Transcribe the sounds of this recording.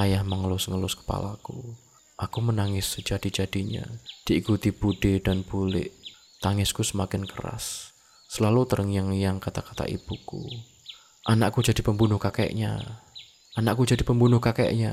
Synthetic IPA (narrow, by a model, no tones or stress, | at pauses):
ajahməŋəlʊsŋəlʊskə̥pa̰la̰ku | ʔakumənaŋɪsd͡ʒad̥id͡ʒad̥iɲa̰d̥iikut̪ibudedanbulɪ̰ʔ | t̪aŋɪskusəmakɪnkəɾa̰sː | əlalut̪əɾəŋjaŋjaŋkat̪akḁt̪a̰ʔḭb̥ukṵ | ʔanaʔkud͡ʒadipəmbunʊhkaka̰ʔɲa̰ | ʔanaʔkud͡ʒadipəmbunʊhkaka̰ʔɲa